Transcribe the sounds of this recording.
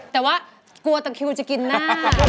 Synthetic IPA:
t̪ɛː˨˩waː˦˥˩ | ku˧ɐt̪a˧ŋkʰi˧wt͡ɕa˨˩ki˧nːaː˧˥˩

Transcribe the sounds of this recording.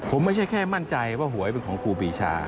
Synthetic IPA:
pʰo˩˦mːa˥˩t͡ɕʰa˥˩jkʰɛː˥˩ma˥˩nt͡ɕa˧jwaː˥˩ɦu˨˩˦ɐjp̬e˧nkʰɔː˩˦ŋkʰuː˧biː˧t͡ɕʰa̰ː˧

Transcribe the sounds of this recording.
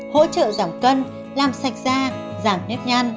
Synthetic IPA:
ho̰˧˥t͡ɕə̰ː˧˨za˨˩wŋ͡mkə˧n | laː˨˩msa˨˩jk̚zaː˧ | zaː˨˩mne˦˥p̚ɲa˧jŋ

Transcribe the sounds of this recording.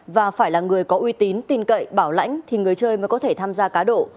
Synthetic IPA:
vaː˨˩faː˧˩jlaː˨˩ŋɨ˨˩əjkɔ˨˦ʔwi˧t̪i˨˦nt̪i˧nkə̰˧˨jɓaː˧˩wla̰˧˥jŋ̟t̪ʰi˨˩ŋɨ˨˩əjt͡ɕəː˧jmə˨˦jkɔ˨˦t̪ʰe˧˩t̪ʰaː˧mzaː˧kaː˨˦ɗo̰˧˨

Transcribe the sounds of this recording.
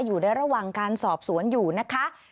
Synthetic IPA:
juː˨˩naː˧jɾa˧waː˨˩ŋkaː˧nsɔː˨˩p̚su˨˩˦ənjuː˨˩na˦˥kʰa˦˥ʔ

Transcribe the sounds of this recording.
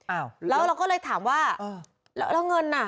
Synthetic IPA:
ʔaː˧˩wlɛ˨˦˥wɾa˧wkɔː˥˩lɤː˧jt̪ʰaː˩˦mwaː˥˩əː˧ | la˧˦˥wla˧˩wŋɤ˧nʔa˧˥˩

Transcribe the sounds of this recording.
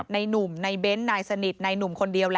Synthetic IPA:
t̪̚na˧jnu˨˩mna˧jbe˦˥nːaː˧jsa˧ni˨˩t̪̚na˧jnu˨˩mkʰo˧ndi˧əwl

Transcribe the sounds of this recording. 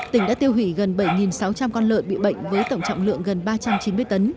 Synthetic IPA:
t̪ï˧˩ŋ̟ɗa̰ː˧˥t̪i˧əwɦwḭ˧˩ɣə˨˩nɓə˧˩jŋi˨˩nsa˨˦wt͡ɕa˧mkɔ˧nlə̰ː˧˨jɓḭ˧˨ɓə̰˧˨jŋ̟vəː˨˦jt̪ə˧˩wŋ͡mt͡ɕɔ̰˧˨wŋ͡mlɨ̰˧˨əŋɣə˨˩nɓaː˧t͡ɕa˧mt͡ɕi˨˦nmɨ˧əjt̪ə˨˦n

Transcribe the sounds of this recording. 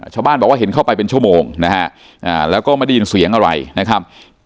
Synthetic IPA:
a˧˩t͡ɕʰaː˧wbaː˥˩nbɔː˨˩kwaː˥˩ɦe˩˦nkʰa˥˩wpa˧jp̬e˧nt͡ɕʰu˥˩əmoː˧ŋna˦˥kʰa˦˥ʔ | ʔaː˨˩lɛː˦˥wkɔː˥˩ma˥˩jda˥˩ji˧nsi˨˩˦əŋʔa˧ɾa̰˧jna˦˥kʰa˦˥p̚

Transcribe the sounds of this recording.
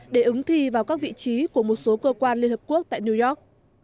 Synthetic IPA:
ɗe˧˩ʔɨ˨˦ŋt̪ʰi˧vaː˨˩wkaː˦˥k̚vḭ˧˨t͡ɕi˨˦ku˧˩əmo˨˩t̚so˨˦kəː˧kwaː˧nli˧nhəː˨˩p̚ku˦˥ək̚t̪a̰ː˧˨jni˧zɔ˦˥k̚

